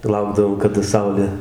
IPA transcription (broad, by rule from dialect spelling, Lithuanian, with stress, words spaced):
tɐɪ ˈlˠɐʊɡdɐʋoːm kɐdɐ ˈsɐʊlʲeː